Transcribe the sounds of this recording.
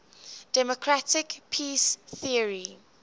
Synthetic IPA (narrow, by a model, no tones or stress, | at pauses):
d̥ɛmokʰɹatɪkpʰisθiəɹi